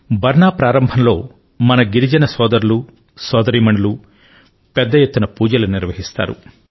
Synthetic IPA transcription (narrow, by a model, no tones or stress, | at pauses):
bʱɐɾɳaːpɾaːɾɐmbʱɐnlo̞ː | mɐnɐɡiɾid͡ʒɐnɐsɔːd̪ɐɾulu | sɔːd̪ɐɾiːmɐɳulu | pɛd̪ːɐjet̪ːunɐpuːd͡ʒɐluniɾʋɐɦist̪a̰ːɾṵ